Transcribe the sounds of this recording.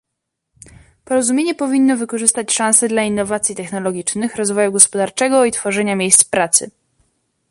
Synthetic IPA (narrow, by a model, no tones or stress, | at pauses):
pɔɾɔzumʲeɲɛpɔvʲinːɔvɘkɔʐɘst̪at͡ɕʂãñsɛd̪lainːɔvat̪sʲjit̪ɛxnɔlɔɡʲit͡ʂnɘxɾɔzvɔjuɡɔspɔd̪aɾt͡ʂɛɡɔit̪fɔʐɛɲamʲjejst̪spɾat̪sɘ̰